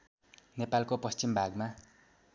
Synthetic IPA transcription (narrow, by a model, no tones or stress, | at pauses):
nepalkopʌst͡simbʱaɡma